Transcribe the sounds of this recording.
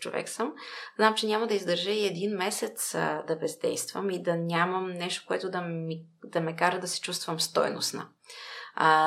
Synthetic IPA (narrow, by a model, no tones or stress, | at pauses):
t͡ʃo̰vɛ̰ksəmznamt͡ʃɛnʲaməd̪ɐizd̪əɾʒɛiɛd̪inmɛsɛt̪sd̪ɐbɛzd̪ɛ̰jst̪və̰mid̪ɐnʲamɐmnɛʃt̪o̥koɛt̪ʊd̪ɐi | d̪̥ɐmɛkaɾəd̪ɐsɛ̥t͡ʃust̪vəmst̪ɔ̰jno̰snə̰